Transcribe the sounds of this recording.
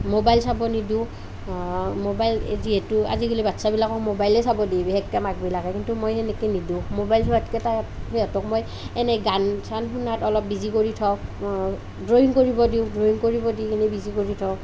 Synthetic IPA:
mobajlsabɔnidiʊ̃ | mobajl̰diɛtʊa̰ziɡulibatsabilakɔk̚mobajlɛsabɔdibiɦɛk̚kɛmakbilakɛkintumojɛnɛkenidũʊ̃mobajlsɔɹatkɛtahejɔtɔk̚moj | ɛnɛɡansanxunatɔlɔp̚bizikoɹitʰɔ | dɹoiŋkoɹibɔdiʊ̃dɹoiŋkoɹibɔdikinɛbizikoɹitʰɔw

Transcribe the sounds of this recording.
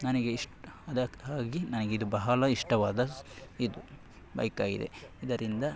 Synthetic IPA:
nɐneɡeiʂʈɐd̪ɐaːɡinɐnɐɡeid̪ubɐɦɐlɐiʂʈɐʋaːd̪ɐid̪u | bɐ̰jɐkaːɡḭd̪ḛid̪ɐɾind̪ɐ

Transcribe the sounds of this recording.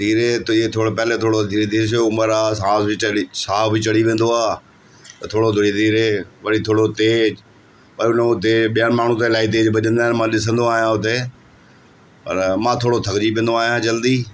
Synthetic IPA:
d̪iːɾeːt̪ːet̪ʰoːɽopɛɦlet̪ʰoːɽod̪ʱiːɾd̪ʱiːɾsoʊməɾaːsãːsbiisaːbʱit͡ʃɐɽiʋẽːnd̪oaː | t̪ɐt̪ʰoːɽod̪ʱʊɽid̪iːɾeːʋɐɽit̪ʰoːɽot̪eːd͡ʑ | pɐɾʊnʊt̪̬eɓijanmaːɳ̤ũt̪aɪlaːit̪̬eːd͡ʒbɐʄə̃nd̪aːɦɪnmãːɗɪsə̃nd̪oaːɦijãʊt̪e | pɐ̰ɾmãːt̪ʰoːɽot̪ʰɐɡd͡ʒipẽːnd̪oaːɦjãːd͡ʒɐld̪iː

